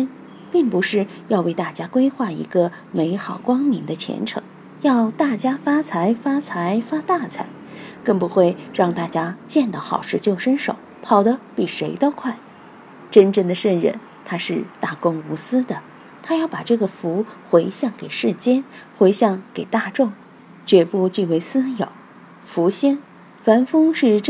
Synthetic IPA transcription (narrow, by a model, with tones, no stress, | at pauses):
n | pi˥˩ŋpu˧˥ʂɻ̩˥˩jɑ˥˧ʊwe˥˧ɪt̪a˥˩t͡ɕja˥kwe˥ɪxwa˥˩ḭ˧˥ɡə˧ | me˧˥ɪxɑ˨˩ʊkwɑ˥ŋmi˧˥ŋd̪ə˧t͡ɕʰjɛ̰˧˥nʈ͡ʂʰɤ̰˧˥ŋ | jɑ˥˧ʊt̪a˥˩t͡ɕja˥fa˥t͡sʰa˧˥ɪfa˥t͡sʰa˧˥ɪfa˥t̪a˥˩t͡sʰa̰˧˥ɪkə˥˩ŋpu˧˥xwe˥˧ɪɻɑ˥˧ŋt̪a˥˩t͡ɕja˥t͡ɕjɛ˥˧nt̪ɑ˥˩xɑ˨˩ʊʂɻ̩˥˧t͡ɕjo˥˩ʊʂə˥nʂo˨˩˦ʊpʰɑ˨˩ʊd̪ə˦pi˨˩ʂe˧˥ɪt̪o˥ʊkʰwa˥˩ɪ | ʈ͡ʂə˥nʈ͡ʂə˥˩nd̪ə˩ʂə˥˧nɻə̰˥˧˩n | t̪ʰa˥ʂɻ̩˥˧t̪a˥˩kʊ˥ŋu˧˥sɹ̩˥d̪ə˨ | t̪ʰa˥jɑ˥˩ʊpa˨˩ʈ͡ʂɤ˥˩ɡə˩fu˧˥xwe˧˥ɪɕjɑ˥˩ŋke˨˩ɪʂɻ̩˥˩t͡ɕjɛ˥nxwe˧˥ɪɕjɑ˥˩ŋke˨˩ɪt̪a˥˧ʈ͡ʂʊ˥˩ŋ | t͡ɕɥɛ˧˥pu˥˧t͡ɕy˥˩we˧˥ɪsɹ̩˥jɑ̰˨˩˦ʊ | fu˧˥ɕjɛ˥n | fa˧˥nfɤ˥ŋʂɻ̩˥˧